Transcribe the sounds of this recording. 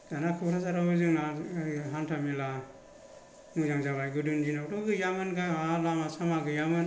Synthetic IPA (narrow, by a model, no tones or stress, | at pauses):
ɡanakʰuɾʰazaɾaɯzɯŋnaɦantʰamila | muzaŋzaβajɡɯdɯnd͡ʒinatɔɡɯjamɯnɡaalamasamaɡɯjamɯn